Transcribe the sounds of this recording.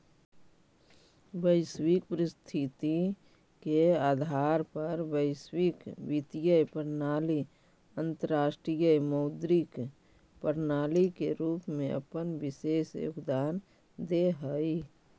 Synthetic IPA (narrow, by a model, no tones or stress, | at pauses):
ʋəɪswɪk̚pɾɪst̪ʰit̪i | keaːd̪ʱaːɾpɐɾʋəɪswɪkʋɪt̪ijəpəɾnaːli | ə̃nt̪əɾaːʃʈɾijəməʊd̪ɾik | pəɾnaːlikeɾuːpmẽə̰pənʋɪseːsjo̰ɡd̪aːn | d̪eɦəi